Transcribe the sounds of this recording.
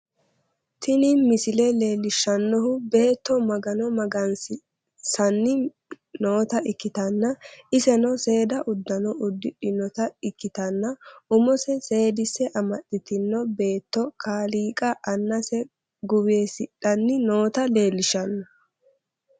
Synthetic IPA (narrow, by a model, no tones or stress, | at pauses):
t̪ʰɪnɪmɪsɪlɛle̞ːlɪʃɐnːɔɦʊbe̞ːt̪ːɔmɐɡɐnɔmɐɡɐns | sɐnːɪ | no̞ːt̪ɐʔɪkːɪt̪ɐnːɐɪsɛnɔse̞ːd̪ɐʔʊd̪ːɐnɔʔʊd̪ːɪᶑɪnːɔt̪ɐɪkːɪt̪ɐnːɐʊmɔsɛse̞ːd̪ɪsɛʔɐmɐtːɪt̪ɪnːɔbe̞ːt̪ːɔkʰaːliːkʼɐʔɐnːɐsɛ | ɡʊbeːsɪɗɐnːɪno̞ːt̪ɐle̞ːlːɪʃɐnːɔ